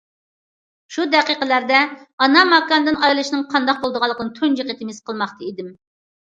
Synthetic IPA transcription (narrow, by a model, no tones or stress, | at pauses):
ʃud̪ɛqiqəlæɾd̪ɛɑnɑmɑkːɑnd̪ɨnɑjlˠɨʃnɨŋqʰɑnd̪ɑq̚bolˠd̪əʁɑlˠːəqənɨt̪ʰønd͡ʒeqət̪ʰɪmɪsqʰəlˠmɑχt̪ʰɨid̪ɪm